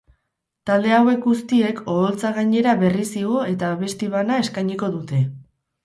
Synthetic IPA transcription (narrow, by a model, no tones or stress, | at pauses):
t̪ald̪e̞awe̞kɡust̪ie̞ko̞ːlt͡saɣaɲe̞ɾaβe̞risiɣo̞e̞t̪aβe̞st̪iβanae̞skajɲiko̞ðut̪e̞